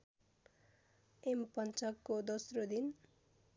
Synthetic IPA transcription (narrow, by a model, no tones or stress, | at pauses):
empʌnt͡sʌkːod̪ʌsrod̪in